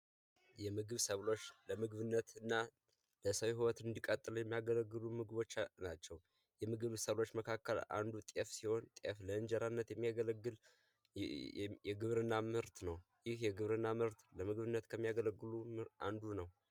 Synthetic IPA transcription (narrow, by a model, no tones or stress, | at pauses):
jɛmɨɡɨβsəβlo̞t͡ʃːləmɨɡβɨnːət̪ɨnːa | ləsəwɦiwət̪ɨnd̪ikʼət̪ʼːɨljɛmːijaɡələɡːɨlumɨɡɨβo̞t͡ʃːnat͡ʃːɛw | jɛmɨɡɨβsəβlo̞t͡ʃːməkʰakːəla̰nd̪ut̪ʼefsiho̞nt̪ʼəfləɨnd͡ʒəɾanːət̪jɛmːijaɡələɡːɨl | jɛɡɨβɾɨnːamɨɾt̪nəwjɪhjɛɡɨβɾɨnːamɨɾt̪ləmɨɡβɨnːət̪kʰəmːijaɡələɡːɨlumʔa̰nd̪unəw